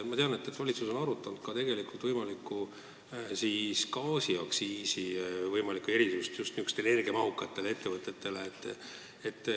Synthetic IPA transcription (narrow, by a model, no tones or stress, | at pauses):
mɑt̪e̞ɑne̞t̪ːˑet̪vɑlʲit̪suso̞nɑɾut̪ːˑɑnud̪̥kɑt̪e̞ɡe̞likˑult̪vɤjmɑlikːu | siskɑːsiɑksiːsivɤjmɑlikːue̞ɾisust̪just̪niykst̪ene̞rɡ̥emɑɦukːˑɑt̪ːe̞lee̞t̪ːe̞vɤt̪ːˑe̞t̪ːe̞leːt̪ˑː | et̪ːˑ